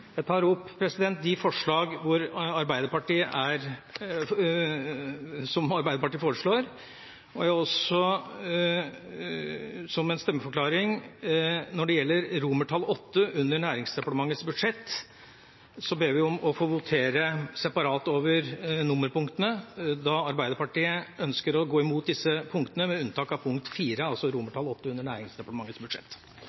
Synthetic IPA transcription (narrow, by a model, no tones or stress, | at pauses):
jæɪt̪ʰɑːɾʊpːpʰɾɛsɪd̪ɛnt̪̚d̪ɪfɔʂɭɑːɡʋʊɾɑɾbæɪd̪əɾpɑʈiːəʔæɾ | sɔmɑɾbæɪd̪əpɑʈiːəfoːɾəʂɭoːɾ | ɔjæɔsɔ | sɔmɛnst̪ɛmːəfɔɾklɑːɾɪŋ | nɔɖɛjɛlːəɾɾuːməʈʰɑlːɔt̪ːəʉnːəɳæːɾɪŋsd̪ɛpɑʈ̪əmɑŋːət̪sbʉd̪ʂɛt̪ː | sɔbeːʋɪɔmɔfoːʋʊt̪ʰeːɾəsɛpɑɾɑːt̪oːʋəɾnʊmːəɾpʊŋkt̪ənəd̪ɑɑɾbæɪd̪əpɑʈiːəœnskəɾɔɡoːɪmuːt̪̚d̪ɪsːəpʰʊŋkt̪ənəmɛʉnt̪ʰɑːkɑʋpʰʊŋk̚t̪fiːɾəɑlsɔɾuːməʈʰɑlːɔt̪ːəʉnːəɳæːɾɪŋsd̪ɛpɑʈ̪əmɑŋːət̪sbʉd̪ʂɛ̰t̪ː